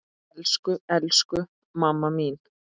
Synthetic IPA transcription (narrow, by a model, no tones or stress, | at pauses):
lskʏɛlskʏ | mamːamiːn